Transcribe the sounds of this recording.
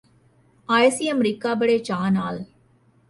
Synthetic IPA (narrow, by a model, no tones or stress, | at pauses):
ajsiɐmɾikːaːbɐɽeːt͡ʃaːnaːl